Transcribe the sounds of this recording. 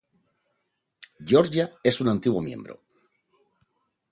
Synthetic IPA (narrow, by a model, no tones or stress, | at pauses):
ɟ͡ʝoɾʒae̞sunãnt̪iɣwomjẽ̞̰mbɾo̰